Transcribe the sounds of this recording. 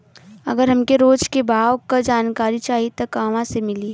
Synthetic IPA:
ɐ̰ɡəɾɦɐmkeɾoːd͡ʒkebʱaːwkad͡ʒaːnkaːɾit͡ʃaːɦiet̪ɐkaːʋãsemɪli

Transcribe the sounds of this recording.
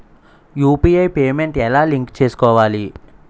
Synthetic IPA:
juːpiːɐjpeːme̞ɳʈɛlaːliŋkt͡ʃe̞ːsu̥kɔːʋaːli

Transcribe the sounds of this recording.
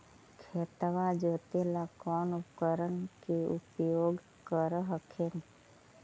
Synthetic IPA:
kʰeːt̪ʋad͡ʒoːt̪elakɔːnʊpkəɾənkeʊpjoːɡ | kəɾɦəkʰen

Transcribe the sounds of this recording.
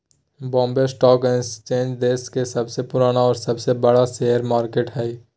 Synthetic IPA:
bɔ̃ːmbesʈɔːkẽst͡ʃẽːnd͡ʒd̪eːskesɐbsepʊɾaːnaɔːɾsɐbsebəɽaseɦəɾmaːɾkeːʈɦɛː

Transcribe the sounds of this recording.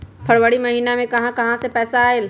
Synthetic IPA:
pʰəɽwəɽimɐɦiːnamẽkɐɦãkɐɦãsepɛːsaːel

